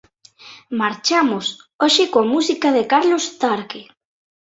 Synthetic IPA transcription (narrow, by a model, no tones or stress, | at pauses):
maɾt͡ʃamʊsoʃɪkoamusikaðekaɾlost̪aɾke